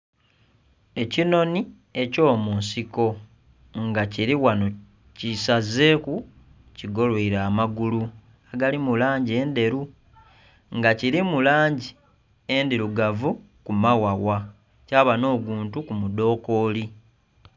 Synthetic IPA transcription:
e̞cino̞ni | e̞co̞ːmuːnsiko̞ | ŋɡaciɾiwano̞ | cisaze̞ːku | ciɡo̞lweiɾaːmaɡulu | aɡalimulaːɲɟie̞nde̞ɾu | ŋɡaciɾimulaːɲɟi | e̞ndiɾuɡavu | kumawawa | caːβano̞ːɡuːntukumudo̞ːko̞ːli

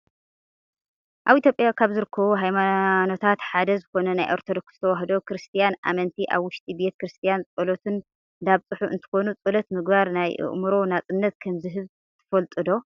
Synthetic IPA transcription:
ʔaβit̪ʰjopʼjakʰaβzɨɾɨkʰːɐβuɦajmano̞t̪ʰat̪ħad̪ɐzɨxo̞nɐnajʔoɾt̪ʰod̪okz̥ɨt̪ʰɐwaɦd̪o̞kɾɨst̪ʰijanʔa̰mɐnt̪ʰiʔa̰βwʊʃt̪ʼibe̞t̪kɾɨst̪ʰijant͡sʼolot̪ʰɨn | d̪aβt͡sʼɨħuʔɨ̰nt̪ʰɨ̥xo̞nut͡sʼolot̪mɨɡbaɾnajʔɨ̰ʔmuɾo̞nat͡sʼɨnːɐt̪̚kʰɐmzɨɦɨβ | t̪ʰɐ̥fɐlt̪ʼɨd̪o̞

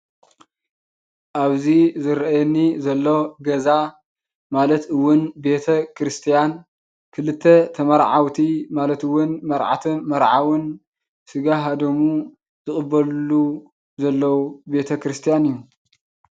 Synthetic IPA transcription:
ʔaβzizɨɾʔajɛnːizɐlːo̞ɡɐza | malɐt̪ɨwːʊnbe̞t̪ʰɐkɾɨst̪ʰijan | kʰɨlɨt̪ʰːet̪ʰɐmɐɾʕawt̪ʰimalɐt̪ɨwːʊnmɐɾʕa̰t̪ʰimɐɾʕawɨn | sɨɡaɦad̪omu | zɨχʼɨbːɐlːu | zɐlːɐwube̞t̪ʰɐkɾɨst̪ʰijanɨjːu

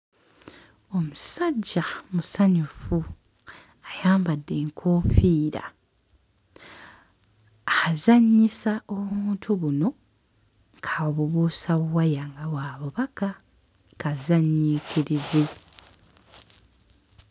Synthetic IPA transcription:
o̞musadɟːamusaɲufu | ajaːmbadːe̞ːŋkʰoːfiːɾa̰ | ahazaɲːisaʔoβuːntʰuβuno̞ | ŋkʰaoβuβuːsaβuwajaŋɡawaːβuβaka | kazaɲːikʰiɾize

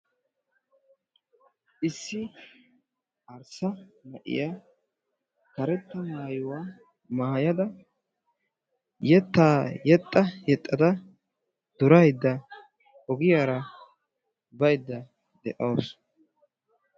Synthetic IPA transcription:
ʔɪsːɪ | ʔɐɾsɐmɐʔɪ̰ja | kɐɾɛt̪ːɐmaːjʊwaː | maːjɐd̪ɐ | jɛt̪ːaːjɛt̪ʼːɐjɛt̪ʼːɐd̪ɐ | d̪̥ʊɾɐjd̪ːɐ | ɔɡɪjaːɾɐ | bɐjd̪ːɐ | d̪ɛ̰ʔɐwːs

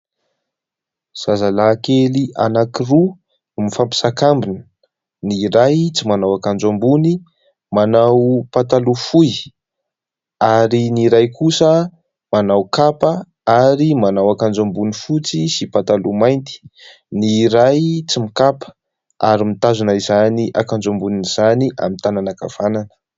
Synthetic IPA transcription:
z̥azalakeliʔa̰nakiru | mifampi̥sakambinə̥ | niɾajt͡simanawakand͡ʒambuni | manawpat̪alufuj | aɾiniɾajkʰusə | manawkapə | aɾimanawakand͡ʒambunifut͡sisipat̪alumajnt̪i̥ | niɾajt͡simikapə̥ | aɾimit̪azunaizaniʔa̰kand͡ʒombuniniz̥aniʔa̰mint̪ananaka̰v̥ananə̥

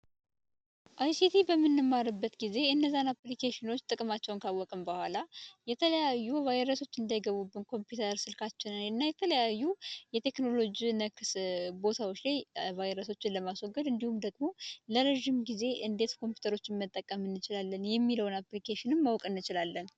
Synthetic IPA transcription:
ʔajsit̪ʰibəmːɨnːɨmːaɾɨbːət̪ɡize̞ɨnːəzːanaplikʰeʃɪno̞t͡ʃːt̪ʼɨkʼmat͡ʃːɛwnkʰawɔkʼɨmbəhʷalajɛt̪ʰələjajːuvajɾəso̞t͡ʃːɨnd̪ajɡəβubːɨnkʰo̞mpjut̪ʰəɾsɨlkʰat͡ʃːɪnɨnɨnːajɛt̪ʰələjajːujɛt̪ʰe̞kno̞lo̞d͡ʒinəkɨsbo̞t̪ʰawot͡ʃːlajvajiɾəso̞t͡ʃːɪnləmaswɔɡːəd̪ɨnd̪ihumd̪əɡmo̞ləɾəʒːimɡize̞ʔɨnd̪e̞t̪kʰo̞mpjut̪ʰəɾo̞t͡ʃːɪnmət̪ʼːəkʼːəmɨnːɨt͡ʃɪlalːənjɛmːiləwnaplikʰeʃɪnɨmːawkʼɨnːɨt͡ʃɪlalːən

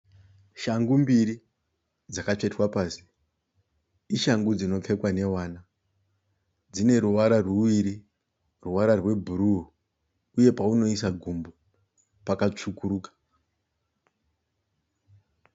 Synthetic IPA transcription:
ʃaŋɡumbiɾi | d͡zakat͡ʂe̞twapaːsi̥ | iʃaŋɡud͡zino̞p͡fe̞kwane̞waːna | d͡zine̞ɾuwaɾarwuwiɾi | ruwaɾarwe̞bʱuɾu | uje̞pauno̞isaɡʱumbo | pakat͡ʂukuɾuːkḁ

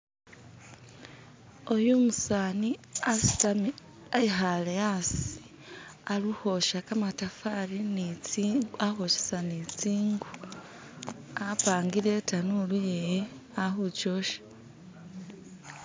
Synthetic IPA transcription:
ojumusaniasi̥tam | aiɦaleasi̥ | aluhoʃakamatafaɾinit͡sːahoʃe̥sanit͡siːŋɡu | apaːŋɡiɾetanulujeje | ahut͡ʃo̞ʃḁ

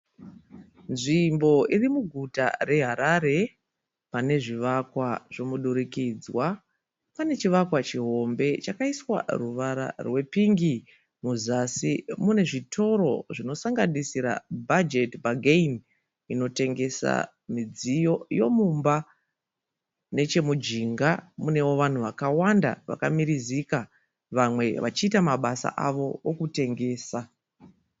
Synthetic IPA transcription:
nʐimbo̞irimuɡʱuta̰re̞ɦaɾaɾe̞ | pane̞ʐiʋakwaʐ̥o̞muɗuɾikid͡zwa | pane̞t͡ʃiʋakwat͡ʃiɦo̞mbe̞t͡ʃakaiswa̰ruʋaɾa̰rwe̞piŋɡi | muzasimune̞ʐitʰo̞ɾo̞̰ʐino̞saŋɡanisiɾa̰bʱad͡ʒe̞tbaɡein | ino̞te̞ŋɡe̞sa̰ | mid͡zijo̞jo̞mumba | ne̞t͡ʃe̞mud͡ʒiŋɡamune̞wo̞ʋan̤uʋakawanda̰ʋa̰kamiɾizika | ʋamwe̞ʋat͡ʃiːtamaɓasa̰ʔa̰ʋo̞okute̞ŋɡe̞ːsa

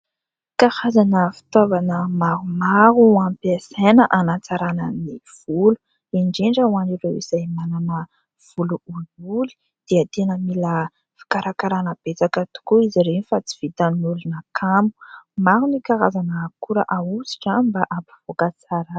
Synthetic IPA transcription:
kahazanəfi̥t̪ovanəmaɾumaɾuampiasenəʔanat͡saɾanəniv̥ulu̥ | iɳɖ͡ʐeɳɖ͡ʐəwaniɾewizajmananə | v̥uluululi̥ | d̪̥eət̪enəmilə | fi̥kaɾʔakaɾanəb̥et͡sakət̪u̥kuiziɾenifat͡si̥v̥it̪anulunakʰamu̥maɾunikaɾazanəkuɾə̰ʔausi̥ʈ͡ʂambaʔampi̥v̥okat͡saɾə

